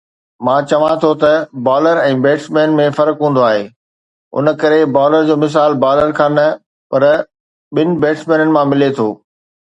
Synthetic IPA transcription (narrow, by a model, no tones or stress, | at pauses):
mãːt͡ɕɐʋãt̪ʰot̪ɐbaːləɾɛ̃ːbeːʈsmɛ̃ːnmẽfɐɾkɦũːn̆d̪oaːɦeː | ʊ̰nə̆kɐɾebaːləɾd͡ʑoːmɪs̬aːlbaːləɾkʰãːnɐ | pɐɾ | ɓɪnɪ̆beːʈsmɛ̃ːnənɪ̆mãmɪlet̪ʰoː